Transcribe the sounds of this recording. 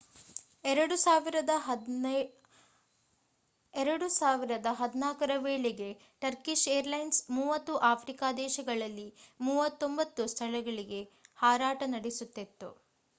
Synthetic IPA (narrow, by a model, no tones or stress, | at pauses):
ɛɾɐɽusaːʋiɾɐd̪ɐ | ɛɾɐɽusaːʋiɾɐd̪ɐɦɐd̪inaːkɐɾɐʋeːɭeɡe̞ | ʈɐɾkiʃeːɾlɐjnsmuːʋɐt̪ːuʔaːpʰɾikaːd̪ɛːʃɐɡɐɭɐlːimuːʋɐt̪ːo̞mbɐt̪ːust̪ʰɐɭɐɡɐɭiɡe̞haːɾaːʈɐnɐɽesut̪ːet̪ːṵ